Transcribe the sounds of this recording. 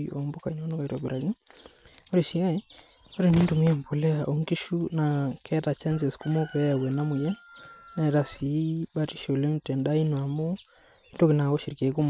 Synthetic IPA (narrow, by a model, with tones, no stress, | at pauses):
o˨mbo˦ka˨i˨no˦no˦ka˨twa˨bi˨ɾa˨ki˦ŋ | o˦ɾi˨ʃi˦a˦e˦ | o˦ɾi˨ni˦ntu˨mi˦a˨mpo˨lɛ˦a˨ʔo˨ŋki˦ʃu˦na˨kʰɛ˦ta˨t͡ʃɛ˦nse˨sku˦mo˦pɛ˨˦ja˨wɛ˨na˦mu˨jɛ˦nna˨ɛ˨ta˨si˨˦ba˦ti̥˦ʃo˨le˦m˨tɛ˨nda˦i˦nwa˨mo˦ | i˦ndo˦ki˨na˨ko˦ʃi˨ɾke˨˦ku˦m